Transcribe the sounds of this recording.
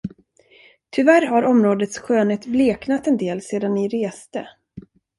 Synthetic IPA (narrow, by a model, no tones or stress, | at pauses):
t̪ʰʏvæɾɦaɾɔmɾoːd̪ət̪sɧøːnheːt̪bleːknat̪ɛnd̪eːlseːd̪anːɪɾeːst̪ə